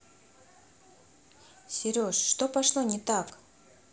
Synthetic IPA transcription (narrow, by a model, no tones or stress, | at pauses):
sʲɪɾʲoʂːt̪opɐʂlˠonʲɪt̪ak